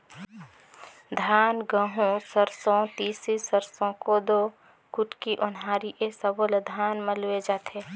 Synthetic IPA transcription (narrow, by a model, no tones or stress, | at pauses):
d̪ʱaːnɡəɦũsəɾsõt̪iːsisəɾsõkod̪o | kʊʈkiʔʊnɦaːɾiʔesəboləd̪ʱaːnməlʊed͡ʒaːt̪ʰeː